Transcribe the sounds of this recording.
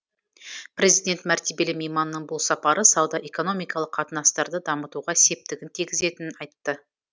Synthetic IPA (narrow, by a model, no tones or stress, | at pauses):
pɾʲe̞zijd̪ʲe̞nt̪mæɾt̪ebe̞lɪmejmɑnːəɴbʊlˠsɑpɑɾəsɑwd̪ɑʔe̞ko̞no̞mijkɑlˠəqʰːɑt̪ənɑst̪ɑɾd̪əd̪ɑmət̪uʁɑse̞p̚t̪ɪɡʲɪnt̪ʰiɡʲɪze̞t̪ɪnɪnɑjt̪ːə